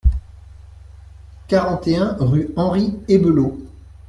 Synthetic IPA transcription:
kaʁɑ̃t̪eɛ̃ʁyɑ̃ʁiebəlo

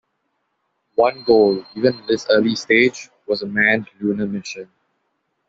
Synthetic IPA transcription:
wʌ̃nɡoːliːʋə̃nd̪ɪsəːɾlisʈeːd͡ʒwɔzəmæ̃nluːnəmɪʃə̃n

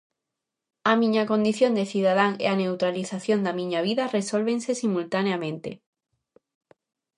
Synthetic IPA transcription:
amĩɲakõnd̪iθjõnd̪eθiðað̞aŋḛanewt̪ɾaliθaθjond̪amĩɲaβ̞iðaresolβẽnsesimult̪aneamẽnt̪ḛ

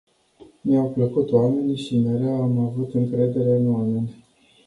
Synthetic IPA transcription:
neawpləkut̪owame̞niʃimeɾeamavut̪ɨŋkɾe̞d̪e̞ɾe̞ɨnwamenʲ

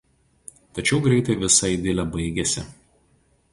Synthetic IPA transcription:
t̪ɐt͡ʃʲɛʊɡɾʲɛɪt̪ɐɪʋʲɪsɐɪd̪ʲɪlʲɛbɐɪɡʲɛsʲɪ̰

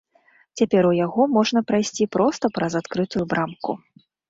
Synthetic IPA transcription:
t͡sʲapʲɛɾujaɣɔmɔʐn̪ɐpɾajsʲt͡sʲipɾɔst̪ɐpɾɐzat̪kɾɨt̪ujubɾʔamkṵ

